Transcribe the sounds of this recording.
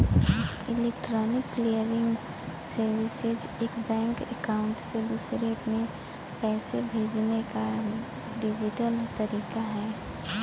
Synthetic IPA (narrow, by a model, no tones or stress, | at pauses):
ɪleːkʈɾɔːnɪkːlijəɾɪ̃ŋɡ | səɾwɪsed͡ʒeːkbɛ̃ːŋkɛ̰kaʊ̃ɳʈsed̪uːsɾemẽ | pɛːsebʱeːd͡ʒneka | ɖɪd͡ʒɪʈəlt̪ɐɾiːkaɦɛː